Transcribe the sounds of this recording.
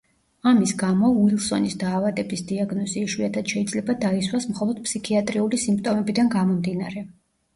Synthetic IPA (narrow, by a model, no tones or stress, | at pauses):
amisɡamɔuilˠsɔnisd̪aːvad̪ɛbisd̪iaɡnɔziːʃwiat̪ʰad̪̥ʃɛid̪zlɛbad̪aiswasmχɔlˠɔd̪̥̚pʰsikʰiat̪ʼɾiulisimp̚ʰt̪ʼɔmɛbid̪anɡamɔmd̪inaɾɛ